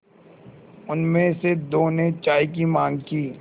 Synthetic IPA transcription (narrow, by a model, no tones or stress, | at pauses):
ʊnmẽsed̪oːnẽt͡ʃaːik̬imãːŋɡkiː